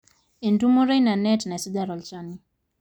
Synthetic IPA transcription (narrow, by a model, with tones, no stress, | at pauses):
i˨ndu˦mu˦ɾa˦jna˨nɛtna˨si˦daɾɔ˨lt͡ʃani